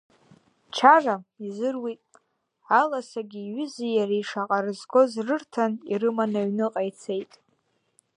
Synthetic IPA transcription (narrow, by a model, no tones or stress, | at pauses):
t͡ʃʰaraizɨrwitʼ | alasaɡʲiːɥʏzijaraiʂaqʼaɾɨzɡo̞zrɨrtʰanḭrɨmanaɥnɨqʼajt͡sʰe̞jtʼ